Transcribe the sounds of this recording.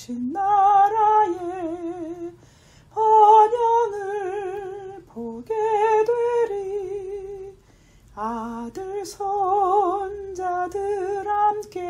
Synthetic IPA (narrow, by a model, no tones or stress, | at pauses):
t͡ɕʰinːaɾaje | pʌmjʌŋɯɭpoɡedweɾi | adɯɭsʰʌ | nd͡ʑadɯɾhamke